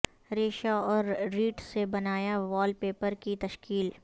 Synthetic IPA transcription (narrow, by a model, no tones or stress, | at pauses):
ɾeːʃaɔːɾɾiːʈsebɐnaːjaʋɔːlpeːpəɾkit̪ɐʃkiːl